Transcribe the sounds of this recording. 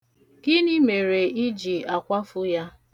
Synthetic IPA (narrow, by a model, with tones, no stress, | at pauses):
kɪ˦ni˦me˨ɾe˨i˦d͡ʒi˨a˨kʷa˦fʊ˦ja˦